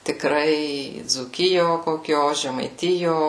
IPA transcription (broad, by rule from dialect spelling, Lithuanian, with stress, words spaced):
tʲɪkˈrɐɪ d͡zuːˈkʲɪjoː koːˈkʲoː ʒʲɛmɐɪˈtʲɪjoː